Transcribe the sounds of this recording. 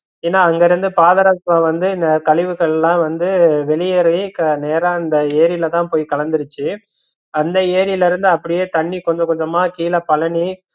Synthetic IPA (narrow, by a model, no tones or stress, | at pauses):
eːnːaːɐŋɡɐɪɾɯnd̪ɯpaːðɐɾaːt̪ʋãːʋɐnd̪ɯnkɐlɪʋɯɣɐɭɛlːãːʋɐnd̪ɯʋɛɭɪjɛɾɐjkɐneːɾãɪnd̪ɐeːɾɪlɐt̪ãːpoːjikɐɭɐnd̪ɯɾɯt͡ʃːɯ | ɐnd̪ɐeːɾɪlɪɾɯnd̪ɯɐpːɐɽɪjeːt̪ɐɳːikɔɲd͡ʒɐkɔɲd͡ʒɐmaːkiːlɐpɐlɐɳi